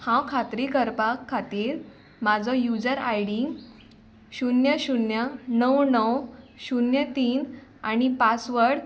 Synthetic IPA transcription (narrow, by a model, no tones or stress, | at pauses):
hãwkʰat̪ɾikəɾpakʰːat̪iːɾ | mad͡zʱɔjud͡zəɾa̰jɽiŋɡ | ɕunjaɕunjanəwnəwɕunjat̪iːnañipat͡sʋəɽ